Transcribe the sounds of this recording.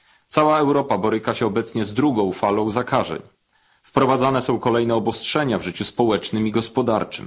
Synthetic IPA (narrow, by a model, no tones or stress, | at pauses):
t̪sawaɛwɾɔpabɔɾɘkaɕɛɔbɛt̪sɲɛzd̪ɾuɡɔ̃w̃falɔ̃w̃zakaʐɛ̰ɲ | fpɾɔvad̪zanɛsɔ̃w̃kɔlɛjnɛɔbɔstʂɛɲavʐɘt͡ɕuspɔwɛt͡ʂnɘmiɡɔspɔd̪a̰ɾt͡ʂɘ̰m